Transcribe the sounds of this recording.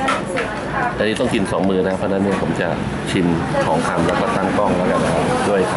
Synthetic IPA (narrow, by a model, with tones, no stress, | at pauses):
ʔa˧nːiː˦˥t̪ɔ˥˩ŋki˧nsɔː˩˦ŋmɯː˧na˧˦a˥pʰːɔː˦˥na˦˥ni˥˩ɐpʰo˩˦mt͡ɕa˨˩ | t͡ɕʰi˧nkʰɔː˩˦ŋkʰa˧mlɛː˦˥wkɔː˥˩t̪a˥˩ŋkɔ˥˩ŋlɛː˦˥˩ka˧na˦˧kʰa˦˥p̚du˥˩əjkʰa˧˦